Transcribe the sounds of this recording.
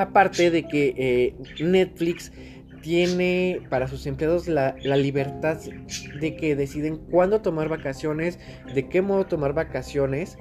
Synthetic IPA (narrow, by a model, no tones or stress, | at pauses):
apaɾt̪e̞ðe̞ke̞ʔne̞t̪fliks | t̪je̞nepaɾas̬use̞mpleaðo̞zlalaliβe̞ɾt̪aððe̞ke̞ðe̞siðeŋkwand̪o̞t̪o̞maɾβakasjo̞ne̞z | ðe̞ke̞mo̞ð̞o̞t̪o̞maɾβakasjo̞ne̞s